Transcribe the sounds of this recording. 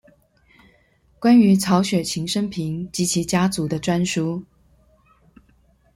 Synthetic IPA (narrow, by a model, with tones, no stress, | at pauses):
kwa˥ny˧˥t͡sʰɑ˧˥ʊɕɥɛ˨˩t͡ɕʰi˧˥ŋʂə˥ŋpʰi˧˥˦ŋt͡ɕi˧˥t͡ɕʰi˧˥t͡ɕja˥t͡su˨˧˥d̪ə˧ʈ͡ʂwa˥nʂu˥